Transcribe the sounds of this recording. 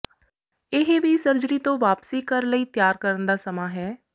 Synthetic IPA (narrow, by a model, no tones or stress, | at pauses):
ɪɦbʱisəɾd͡ʒɾit̪õʋaːpsikəɾləit̪jaːɾkəɾənd̪aːsɐmaːɦɛː